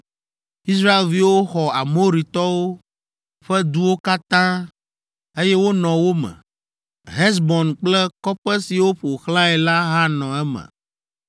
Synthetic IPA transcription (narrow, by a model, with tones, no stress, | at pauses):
i˦sɾa˦e˨lvi˦wo˦xɔ˨a˨mo˦ɾi˨t̪ɔ˦wo˦ | ɸɛ˦d̪u˦wo˦ka˦t̪ã˦ | e˦jɛ˦wo˦nɔ̃˨wo˦mɛ̰̃˨ | ɦɛ˦s̬bɔ̃˨nk͡plɛ˦kɔ˦ɸɛ˦si˨wo˦ɸo˨xlã˦ɛ˨la˦ɦa˦nɔ̃˨ɛ˦mɛ̰̃˨